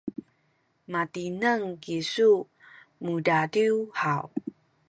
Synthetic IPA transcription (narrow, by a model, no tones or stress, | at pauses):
matinəŋkisu | mudadiwhaw